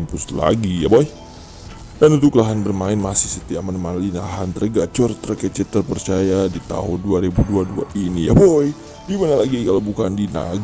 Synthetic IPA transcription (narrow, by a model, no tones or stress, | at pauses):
mpʊsla̰ɡijaboj | danunt̪̬ukəlaɦanbərmaɪnmasɪhsət̪iamanəmanlinaɦant̪ərɡat͡ʃɔrt̪ərkət͡ʃɛt̪ərpərt͡ʃajadit̪a̰ɦʊnduaɾibuduadua̰ʔinija̰boj | ɡimanalaɡikalawbukandina̰ɡ